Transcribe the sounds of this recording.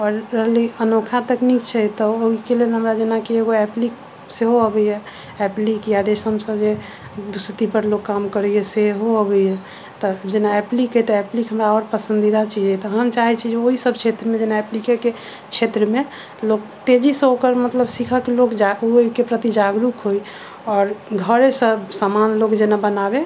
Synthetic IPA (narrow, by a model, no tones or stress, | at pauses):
ɔɾɾəɦəliənokʰat̪əknikt͡ʃʰɛt̪ɔoikelelɦəmɾad͡ʒenakeeɡoɛplik | seɦoəbɛjjɛ | ɛplikjaɾesəmsə̃bd͡ʒe | d̪usət̪ipəɾlokːamkəɾɛɛseɦoəbɛjɦɛ | t̪ɔd͡ʒenaɛplikɦət̪ɔɛplikɦəmɾaɔɾpəsə̃nd̪id̪at͡ʃid͡ʒɛt̪ɔɦəmt͡ʃaɦit͡ʃʰid͡ʒeoɦisəb̚t͡ʃʰet̪ɾəmẽd͡ʒenaɛplikeke | t͡ʃʰet̪ɾəme | lok̚t̪ed͡ʒisə̃okəɾmət̪ləbsikʰakelokd͡ʒauikepɾət̪id͡ʒaɡɾukɦoi | ɔːɾɡʱəɾsəbsamanlokd͡ʒenabənabe